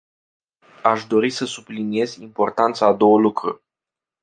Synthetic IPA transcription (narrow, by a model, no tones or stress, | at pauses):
aʃd̪o̞ɾisəsublinie̞zimpo̞rt̪ant̪saːd̪o̞wəlukɾu